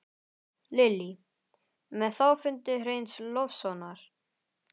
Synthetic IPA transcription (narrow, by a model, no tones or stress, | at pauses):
lɪlːi | mɛðθawfʏnt̪ʏrejnslɔfsɔnaɾ̥